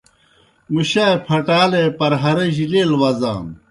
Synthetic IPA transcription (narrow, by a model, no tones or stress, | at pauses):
muɕapʰɐʈaːlepɐɾɦɐɾeʑileːlwɐza̰ːm